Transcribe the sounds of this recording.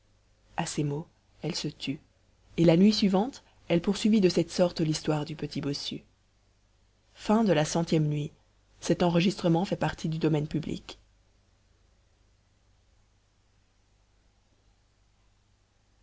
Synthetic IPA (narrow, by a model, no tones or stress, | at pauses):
asemo | ɛlsət̪ʰy | elanɥisɥivɑ̃t̪ | ɛlpuʁsɥivid̪əsɛt̪sɔʁt̪list̪waʁd̪ypət̪ʰibɔsy̰ | fɛ̃d̪əlasɑ̃t̪jɛmnɥi | sɛt̪ɑ̃ʁəʒist̪χəmɑ̃fɛpaʁt̪ʰid̪yd̪ɔmɛnpyblḭk